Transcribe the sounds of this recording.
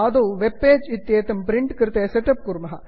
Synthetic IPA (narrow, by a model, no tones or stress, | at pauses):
ɐd̪oːʋepːeːd͡ʒɪt̪ːjeːt̪ɐmpɾɪɳʈkɪɾt̪eːsɛʈɐp̚kuɾmɐɦɐ